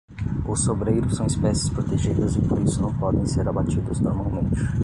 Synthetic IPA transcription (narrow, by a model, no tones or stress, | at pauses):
ʊsobɾejɾʊsɐ̃w̃ispɛsɪ̥spɾot̪eʒid̪ɐzɪpoɾisʊnɐ̃w̃pɔd̪ẽj̃seɾabat͡ʃid̪ʊznoɾmawmẽnt͡ʃɪ